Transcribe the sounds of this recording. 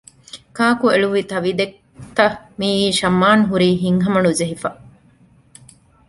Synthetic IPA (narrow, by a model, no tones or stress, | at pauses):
kaːkueɭuʋit̪ɐʋid̪ek̚ | t̪ɐ | miːiːʃɐmːaːnɦuɾiːɦiŋɦɐmɐnud͡ʒeɦifɐ